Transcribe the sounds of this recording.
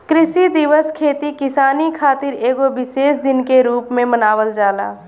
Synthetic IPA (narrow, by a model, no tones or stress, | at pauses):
kɾɪʃid̪ɪʋəskʰeːt̪ikɪsaːnikʰaːt̪ɪɾeːɡobɪseːsd̪ɪnkeɾuːpmẽmənaːʋəld͡ʒaːla̰ː